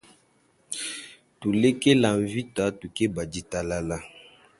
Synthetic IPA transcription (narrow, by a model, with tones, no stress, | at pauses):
tu˨le˦ke˦la˨ɱ˨vi˦ta˨˦tu˨ke˦ba˨di˦ta˨la˦la˦